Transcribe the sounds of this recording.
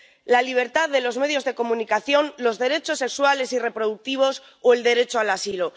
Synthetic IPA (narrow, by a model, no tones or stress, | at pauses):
laliβ̞e̞ɾt̪aððe̞lo̞zme̞ð̞jo̞zðe̞ko̞mũnikaθjo̞nlo̞zðe̞ɾe̞t͡ʃo̞sːe̞kswale̞sire̞pɾo̞ð̞uk̚t̪iβ̞o̞s | oe̞ld̪e̞ɾe̞t͡ʃoalasilo